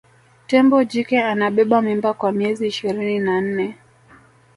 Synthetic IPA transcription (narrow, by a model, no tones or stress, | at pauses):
tɛmbɔd͡ʒikɛanaɓɛɓamimbakwamiɛziːʃiɾininan̩nɛ